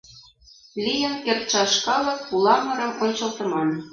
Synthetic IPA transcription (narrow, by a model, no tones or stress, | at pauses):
lʲijə̆nkert̪̚t͡ɕɑʃkɑlˠɤ̆k̚pulˠɑmɤ̆ɾɤ̆monʲt͡ɕɤ̆lˠt̪ɤ̆mɑn